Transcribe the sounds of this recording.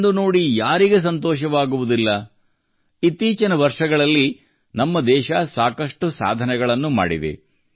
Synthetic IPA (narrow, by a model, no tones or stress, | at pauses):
d̪uno̞ːɽijaːɾiɡes̬ɐnt̪ɔːʃɐʋaːɡuʋud̪ilːɐ | it̪ːiːt͡ʃɐnɐʋɐɾʂɐɡɐɭɐlːi | nɐmːɐd̪ɛːʃɐsaːkɐʂʈusa̰ːd̪ʱɐnɛɡɐɭɐnːuma̰ːɽḭd̪ḛ